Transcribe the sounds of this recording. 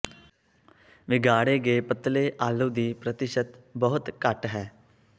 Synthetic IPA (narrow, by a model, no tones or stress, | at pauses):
ʋɪɡaːɽeːɡeːpət̪leːʔaːluːd̪iːpɾət̪ɪʃət̪bəɦʊt̪kəʈɦɛː